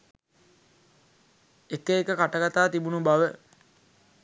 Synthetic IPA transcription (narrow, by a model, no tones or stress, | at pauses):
ekəekəkaʈəɡat̪aːt̪ibunubaʋə